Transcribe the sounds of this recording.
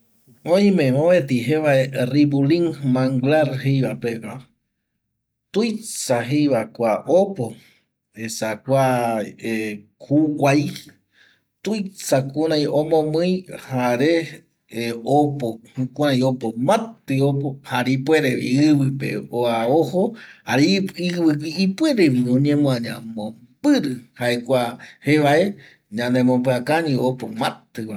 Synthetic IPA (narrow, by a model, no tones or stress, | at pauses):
õĩmẽmoβet̪iɦeβaeribuliŋmãŋɡlaɾhejβapeka | t̪ujsaɦejβakʷaʔopo | esakʷae | kukʷaj | t̪ujsakuɾãjõmõmɨ̃jhaɾe | opohũkuɾãj̃opomãt̪ɨopohaɾipweɾeβḭɨβɨpḛoaohoaɾiiɨkiipwe̞ɾeʋiõɲẽmõaɲã̰mõm | pɨɾɨhaekʷaheʋae | ɲãnd̪emõmbɨakaɲĩopomãt̪ɨβa